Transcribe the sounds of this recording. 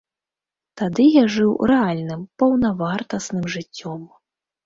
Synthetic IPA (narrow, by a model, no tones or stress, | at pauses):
t̪ad̪ɨjaʐɨwrɛalʲnɨmpɐwnɐvart̪ɐsnɨmʐɨt͡sʲːɔm